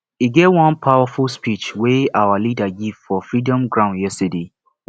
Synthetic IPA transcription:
iɡevwɔ̃npʰaʊafulspit͡ʃweawalidaɡiv̥fɔfɹidɔ̃mɡɹãʊ̃njɛstəde

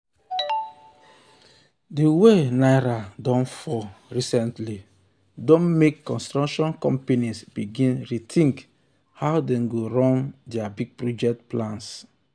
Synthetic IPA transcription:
diwenaɪɾadɔ̃nfɔɹisɛ̃ntli | dɔ̃nmekːɔ̃nstɹakʃɔ̃nkɔ̃mpenisbiɡĩnɹitʰĩŋk | hawdɛ̃nɡoɾɔ̃ndiabiɡ̚pɾɔd͡ʒɛk̚tplãns

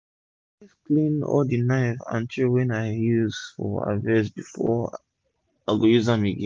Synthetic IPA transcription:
isklĩnɔ̰ldinaɪfã̰ntʰiwɛ̃naɪjuzfɔ̰a̰vɛs̬bifɔ | aɡojuzãmeɡɛ̃

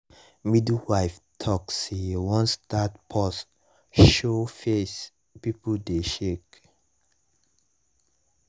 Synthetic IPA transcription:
midwaɪftʰɔkswɔ̃nstatpʰɔs | ʃofes | pipdeʃek

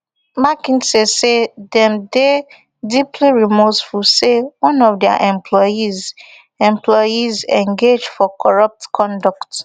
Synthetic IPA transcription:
makĩnsesedɛ̃mde | dipʰliɹimosfulsewɔ̃nɔfdɛa̰ʔɛ̃mpʰlɔiz | ɛ̃mplɔjizɛ̃ŋɡed͡ʒfɔkʰɔɹʌp̚tkʰɔ̃ndɔkt

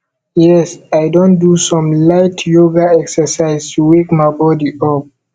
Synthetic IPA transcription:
jɛsajdõn̚dusɔ̃mlaɪtʰjoɡaɛksəsaɪztuwekmaɪbɔdiɔp̚

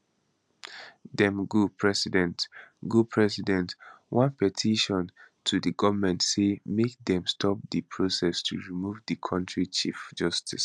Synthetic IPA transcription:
dɛ̃mɡupʰɹɛsidɛ̃ntɡupʰɹɛsidɛ̃nt | wɔ̃npɛtʰiʃɔ̃ntʰudəɡɔvəmɛ̃ntsemek̚dɛ̃mstʰɔp̚dɨpʰɹosɛstʰuɹimuvdikʰɔ̃ntɹit͡ʃifd͡ʒʌstis

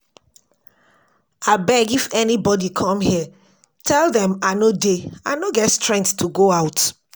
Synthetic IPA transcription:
abɛɡifɛnibɔdikʰɔ̃mhi | tʰɛlˠðɛ̃manodeãnoɡɛtstɹɛ̃ŋk̚ttʰːuɡoaʊt

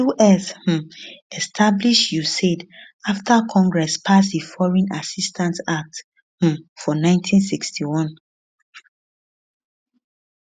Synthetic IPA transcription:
uʔɛsh̩ɛstʰabliʃjused | aftʰakʰɔ̃ŋɡɹɛspʰas̬difɔɹɔ̃nasistʰãntak̚t | h̩fɔnãɪ̃ntʰĩnsikstiwɔ̃n

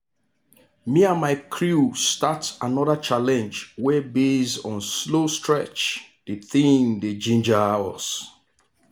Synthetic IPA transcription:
miamaɪkʰɹustatanɔðat͡ʃalɛ̃nd͡ʒwɛbezɔ̃nslostʰɹɛt͡ʃd̥eθĩŋded͡ʒĩnd͡ʒaɔs

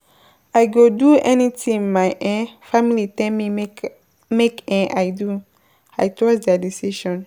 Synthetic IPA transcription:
ajɡoduɛnitĩmajʔɛ̃fãmilitɛmi | mekɛ̃ʔajdu | ajtɔsdadisiʃɔ̃n

